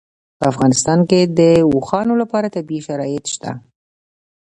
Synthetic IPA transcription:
pəafɣɑnɪst̪ɑnked̪əwuxɑnolapɑɾat̪abiʃaɾɑjɪt̪ʃt̪a̰

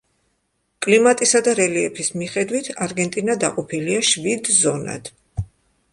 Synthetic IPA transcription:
kʼlimat̪ʼisad̪aɾɛliɛpʰismiχɛd̪wit̪ʰaɾɡɛnt̪ʼinad̪a̰qʼɔpʰiliaʃvid̪zɔna̰d̪̥

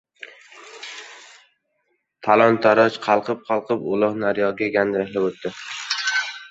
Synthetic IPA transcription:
t̪ʰalˠɒnt̪ʰaɾɒt͡ʃqʰɑlˠqɨp̚qʰɑlˠqʰɨpʊlˠɒhnaɾjɒɡʲaɡʲand̪ahlɪbot̪ːɪ

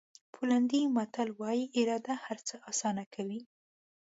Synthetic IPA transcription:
pʰuland̪imat̪alwɑjiʔɪɾɑd̪ahaɾt͡səʔɑsɑnakʰawi

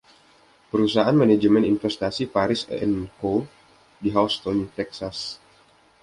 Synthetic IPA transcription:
pəɾusaʔanmanad͡ʒəmɛninfɛst̪asipaɾɪsə̰ɛnko | diɦawst̪ɔnt̪ɛksas

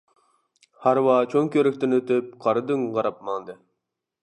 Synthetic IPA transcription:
hɑɾwɑt͡ʃʰoŋkʲøɾyk̚ʲt̪ɪnøt̪yp̚qʰɑɾɨd̪ɨŋʁɑɾɑp̚mɑnˠd̪ɨ

